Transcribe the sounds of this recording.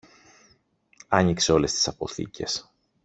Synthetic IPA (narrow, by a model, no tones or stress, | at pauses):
ɐɲikse̞o̞le̞st̪i̥sɐpo̞θḭcʰe̞s